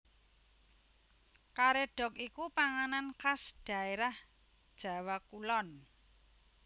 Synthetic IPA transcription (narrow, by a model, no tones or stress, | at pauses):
kaɾeɖ̥ɔ̤kikupaŋanankasɖ̥a̤eɾah | d̥ʒ̥ä̤wakulɔn